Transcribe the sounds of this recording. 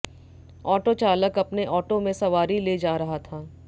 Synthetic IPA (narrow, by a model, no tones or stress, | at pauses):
ɔːʈot͡ʃaːləkɐpneʔɔːʈomẽsɐʋaːɾileːd͡ʒaːɾɐɦat̪ʰaː